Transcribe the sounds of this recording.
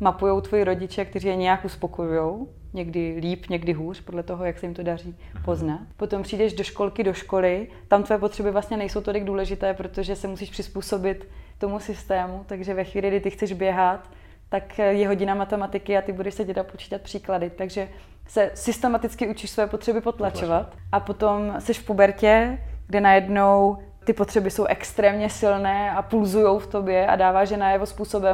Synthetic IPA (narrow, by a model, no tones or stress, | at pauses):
mapujo̞wt̪vo̞jiɾo̞ɟɪt͡ʃɛkt̪ɛriːjɛɲɛjakʔuspo̞kojujo̞w | ɲɛɡdɪliːpɲɛɡdɪɦuːr̝̥podlɛt̪o̞ɦo̞jaksɛjɪmt̪o̞dar̝iː | po̞znat̪po̞t̪o̞mpr̥iːdɛʒdo̞ʃko̞lkɪdo̞ʃko̞lɪ | t̪amt̪vojɛpo̞t̪r̥ɛbɪvlast̪ɲɛnɛjso̞wt̪o̞lɪɡ̚duːlɛʒɪt̪ɛːpɾo̞t̪o̞ʒɛsɛmusiːʃpr̥ɪspuːso̞bɪt̪ː | o̞musɪst̪ɛːmut̪aɡʒɛvɛxʋiːlɪɡdɪt̪ɪxt͡sɛʒbjɛɦat̪ː | akjɛɦo̞ɟɪnamat̪ɛmat̪ɪkɪat̪ɪbudɛʃsɛɟɛdat̪̚pot͡ʃi̥ːt̪at̪̚pr̥iːkladɪt̪aɡʒɛ | sɛsɪst̪ɛmat̪ɪt͡skɪut͡ʃɪʃsvɛːpot̪r̥ɛbɪpo̞t̪lat͡ʃovat̪ʔapo̞t̪o̞msɛʃfpobɛɾcɛɡdɛnajɛdno̞w | t̪ɪpo̞t̪r̝̥ɛbɪso̞wʔɛkst̪ɾɛːmɲɛsɪlnɛːapulzujo̞wft̪o̞bjɛa̰daːvaːʃjɛnajɛvo̞spuːso̞bɛ